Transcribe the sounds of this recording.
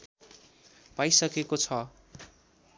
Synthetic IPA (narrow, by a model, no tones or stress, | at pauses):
pajsʌkekot͡sʰʌ